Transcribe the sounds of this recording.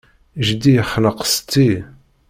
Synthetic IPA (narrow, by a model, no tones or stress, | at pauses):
ʒd̪ijəχːləqst̪ːi